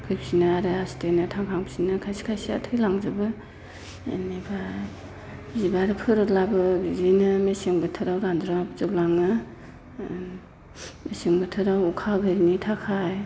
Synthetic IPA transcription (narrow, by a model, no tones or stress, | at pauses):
kʰɯjpʰi̥sinaaɾɯasi̥tajnɯtʰaŋkʰaŋpʰi̥sinɯkʰajsi̥kʰajsia̰tʰɯjlaŋzɯbɯ̰ | neba | zibaɾɯpʰɯɾɯlabɯzinɯmeseŋbɯtʰɯɾawɾandɾamapzɯp̚laŋnɯ | meseŋbɯtʰɯɾawukʰaɡɯɾinitʰakʰaj